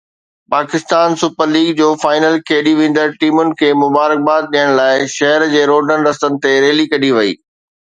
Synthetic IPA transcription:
paːkɪst̪aːnsʊpəɾliːɡd͡ʑoːfaːɪnəlkʰeːɗiʋẽːnd̪əɾʈiːmʊnɪ̆kʰeːmʊbaːɾək̚baːd̪̚ɗiəɽ̃laːɪʃɐɦəɾd͡ʑeːɾoːɖənɾɐst̪ənɪ̆t̪eɾeːlikɐɗiʋɐḭː

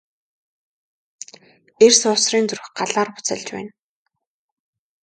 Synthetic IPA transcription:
ersʊːsriːnt͡sɵrxɢaɮaːrpʊ̥t͡sə̰̆ɮt͡ɕpæ̰ːn

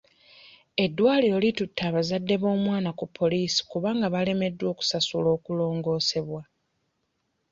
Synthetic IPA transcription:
e̞dːwaːliɾo̞litutʰːaːβazadːe̞βo̞ːmwaːnakupʰːo̞liːsi̥kuβaːŋɡaβale̞me̞dːwo̞ːku̥sasulo̞ːkulo̞ːŋɡo̞ːse̞βwa

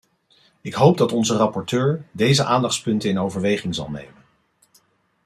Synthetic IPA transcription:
ɪkɦowb̚dɑtɔnzərɑpɔɹtøːɹdejzəʔaːndɑχtspɵntəɪnowvəɹʋejχɪŋzɑ̰lˠnḛjmən

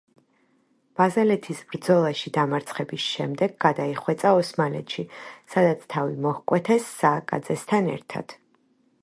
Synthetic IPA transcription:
b̥azɛlɛt̪ʰisbɾd̪zɔlˠaʃid̪amaɾt̪sʰχɛbisʃɛmd̪ɛɡːad̪aiχwɛt̪sʼaɔsmalɛ̰t̪ʃisad̪at̪sʰt̪ʰavḭmɔhkʼwɛt̪ʰɛsːaːkʼa̰d̪zɛst̪ʰanɛ̰ɾt̪ʰa̰d̪̥

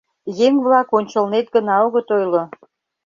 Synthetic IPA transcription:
jeŋβlɑkonʲt͡ɕəlnet̪̚ɡənɑoɣət̪ojlo

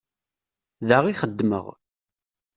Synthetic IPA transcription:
ðəʁiχəd̪ːmə̰ʁ

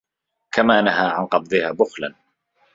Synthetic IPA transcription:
kamaːnaɦaːʕanqɑb̚d̪ˤɨhaːbʊxla̰n

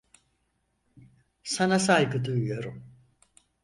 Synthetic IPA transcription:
sanas̬ajɡɯd̪ujujo̞ɾum

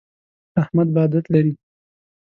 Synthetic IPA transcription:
ahmad̪̚bɑːd̪at̪laɾi

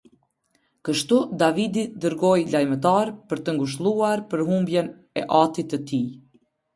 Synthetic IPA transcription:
kəʃt̪ud̪avid̪id̪əɾɡɔjlajmət̪̬aɾpəɾt̪əŋɡuʃ̬t̪lˠuaɾpəɾɦumbjɛn | ɛʔat̪it̪ət̪i

